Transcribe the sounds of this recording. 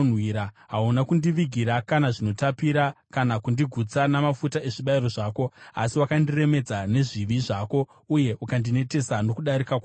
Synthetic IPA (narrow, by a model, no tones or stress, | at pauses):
nwiːɾa | ɦaunakundiʋiɡʱiɾakanaʐino̞tapiɾakanakundiɡʱut͡sanamafutae̞ʐiɓaiɾo̞ʐaːko̞a̰siwakandire̞me̞d͡zane̞ʐiʋiʐako̞ | uje̞ʔukandine̞te̞sanokuɗaɾikaka